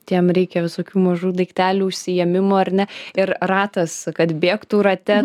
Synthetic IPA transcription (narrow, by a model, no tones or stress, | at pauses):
t̪ʲiɛmɾʲɛɪkʲɛʋʲɪsoːkʲuːmɐʒuːd̪ɐɪkt̪ʲæːlʲuːʊʃʲsʲɪjɛmʲɪmoːɐrnʲɛɪɾrɑːt̪ɐskɐt̪bʲeːkt̪uɾɐt̪ʲɛ